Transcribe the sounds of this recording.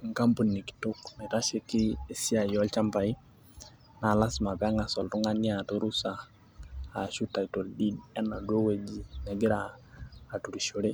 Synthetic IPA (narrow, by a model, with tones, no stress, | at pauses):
ŋka˦mpu˨ni˨ki̥˨to˦kmi˨ɾa˦ʃɛ˦kɪː˦si˦a˨jɔ˦lt͡ʃa˦mpa˨i˦ | na˨la˦sma˨pa˦ŋa˨sɔ˨ltu˦ŋa˦ni˦a˨to˦ɾu˦saː˨ | ʃu˦ta˨i˨to˨ldi˦dɛ˦na˨do˦we˦d͡ʒi˨nɛ˨ɡɪ˦ɾaː˨ | tu˨ɾi˨ʃo˨ɾe˦